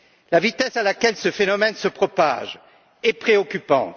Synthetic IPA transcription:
lavit̪ɛsalakʲɛlsəfenɔmɛnsəpχɔpa̰ʒ | ɛpχeɔkʲypɑ̰̃

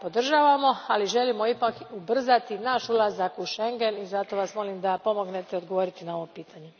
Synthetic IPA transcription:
po̞d̪r̩ʒaʋamo̞aliʒe̞limo̞ipakubr̩zat̪inaːʃulˠazakuʃe̞ŋɡe̞nizat̪o̞ʋasmo̞limd̪apo̞mo̞ɡnet̪ɛod̪ɡoʋo̞ɾit̪inao̞ʋo̞piːt̪ʰaɲe

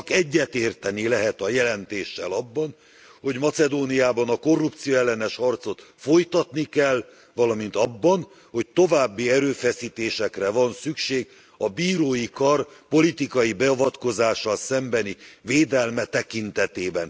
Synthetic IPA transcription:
kɛɟːɛt̪eːrt̪ɛnilɛɦɛt̪ɒjɛlɛnt̪eːʃːɛlɒbːɒn | ho̞ɟmɒt̪sɛd̪oːniaːbɒnɒko̞rːupt̪sijoɛlːɛnɛʃhɒrt̪so̞t̪fo̞jt̪ɒt̪nikɛl | vɒlɒmint̪ɒbːɒn | ho̞c̚t̪o̞vaːbːiɛɾøːfɛsiːt̪eːʃɛkrɛvɒnsykʃeːɡ | ɒbiːɾoːjikɒrpo̞lit̪ikɒjibɛɒvɒt̪ko̞zaːʃːɒlsɛmbɛniveːd̪ɛlmɛt̪ɛkint̪ɛt̪eːbɛn

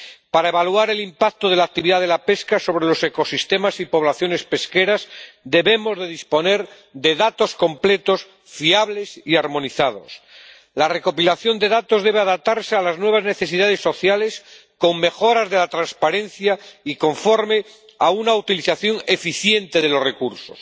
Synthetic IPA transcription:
paɾaeβalwaɾe̞limpak̚t̪oðe̞lak̚t̪iβiðaðelape̞skaso̞βɾelo̞se̞ko̞sist̪e̞masipo̞β̞laθjo̞ne̞spe̞ske̞ɾazd̪e̞βe̞mo̞zðe̞ðispo̞ne̞ɾ | ðe̞ðat̪o̞sko̞mple̞t̪o̞s | fiaβle̞siaɾmo̞niθað̞o̞̰s | lare̞ko̞pilaθjo̞nd̪e̞ðat̪ozðe̞β̞e̞aðap̚t̪aɾsealaznwe̞β̞azne̞θe̞s̬iðað̞e̞sːo̞θjale̞s | ko̞ŋme̞xo̞ɾazðe̞lat̪ɾanspaɾe̞nθjaiko̞ɱfo̞ɾme̞ | aunaut̪iliθaθjo̞ŋe̞fiθje̞nt̪e̞ðe̞lo̞sre̞kuɾso̰s

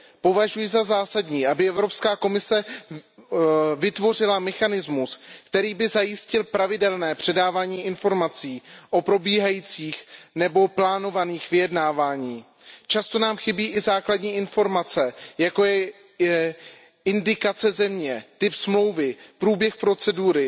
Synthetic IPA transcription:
po̞vaʒujɪzazaːsadɲiːʔabɪʔɛvɾo̞pskaːko̞mɪsɛ | vɪt̪vo̞r̝ɪlamɛxanɪzmuskt̪ɛɾiːbɪzajɪscɪlpɾavɪdɛlnɛːpr̝̥ɛdaːvaːɲiːʔɪnfo̞ɾmat͡siːʔo̞pɾo̞biːɦajiːt͡siːxnɛbo̞plaːno̞vaniːxvɪjɛdnaːvaːɲiː | t͡ʃast̪o̞naːmxɪbiːʔɪzaːkladɲiːʔɪnfo̞ɾmat͡sɛjako̞jɛ | ɪndɪkat͡sɛzɛmɲɛt̪ɪpsmlo̞wvɪpɾuːbjɛxpɾo̞t͡sɛduːɾɪ

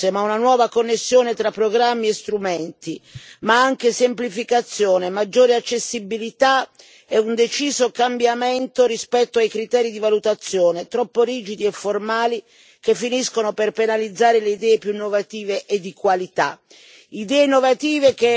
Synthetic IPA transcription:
emaunanwɔːvakonːesːjoːnet̪ɾapːɾoɡɾamːiest̪ɾumɛnt̪imaaŋk̟esemplifikat̪sːjoːnemad͡ʒːoːɾeat͡ʃːesːibilit̪a | ɛund̪et͡ʃiːzokambjament̪oɾispɛt̪ːoajkɾit̪ɛːɾid̪ivalut̪at̪sːjoːnet̪ɾɔpːoɾiːd͡ʒid̪iɛfːormaːli | k̟efːiniskonoperpenalid̪zːaːɾeleid̪ɛːepjunːovat̪iːveʔed̪ːikwalit̪a̰ | id̪ɛːenovat̪iːvek̟e

